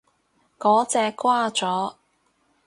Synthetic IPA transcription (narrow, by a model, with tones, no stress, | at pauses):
kɔː˨˥t͡sɛː˧kʷwaː˥t͡sɔː˨˥